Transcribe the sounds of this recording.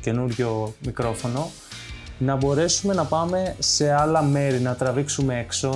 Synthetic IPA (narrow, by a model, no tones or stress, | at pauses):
ce̞nuɾʝo̞mikɾo̞fo̞no̞ | nɐbo̞ɾe̞sume̞nɐpɐme̞se̞ɐlɐme̞ɾinɐt̪ɾɐviksume̞ekso̞